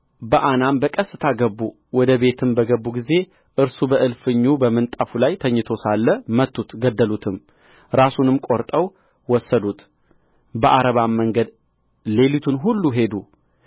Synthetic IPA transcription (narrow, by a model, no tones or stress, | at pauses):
bəʔanambəkʼəsːɨt̪ʰaɡəbːu | wɔd̪əβe̞t̪ʰɨmbəɡəbːuɡize̞ | ʔɨɾsubəʔɨlfɨɲːubəmɨnt̪ʼafulajt̪ʰəɲːɪt̪ʰosalːəmət̪ːut̪ɡəd̪ːəlut̪ʰɨm | ɾasunɨmkʼoɾt̪ʼəw | wɔsːəd̪ut̪ | bəʔaɾəβamːəŋɡəd̪ | le̞lit̪ʰunɦulːuɦe̞d̪u